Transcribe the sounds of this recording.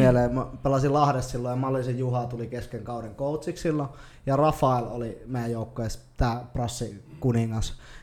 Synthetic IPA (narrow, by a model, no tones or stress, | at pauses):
ieleːmpelɑsilɑhɾessilːojjɑmɑlːisijjuhɑt̪ulikeskeŋkɑˑuɾeŋkoˑut̪sikssilːo | jɑrɑfɑˑelolimeˑijæjjoˑukːojest̪æːprɑsːikuniŋːɑs